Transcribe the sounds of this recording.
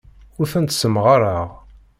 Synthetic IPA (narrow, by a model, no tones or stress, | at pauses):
ʊɾθənt̪səmʁaɾˤəʁ